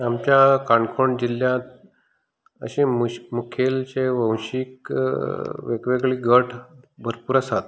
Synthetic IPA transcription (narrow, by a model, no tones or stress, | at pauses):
amt͡ɕjakaɳkʰoɳd͡ʑiljãt̪ | ə̰ɕẽmukʰelt͡ɕeʋə̃wɕik | ʋekʋeɡɭiːɡəʈʰbʱəɾpuɾasat̪